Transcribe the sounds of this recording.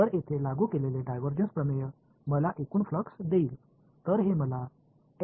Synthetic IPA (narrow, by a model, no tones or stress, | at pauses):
t̪əɾet̪ʰelaɡuːkeleleɖajʋəɾd͡ʑənspɾəmejə | məlaʔekuːnfləksd̪eiːl | t̪əɾɦeməla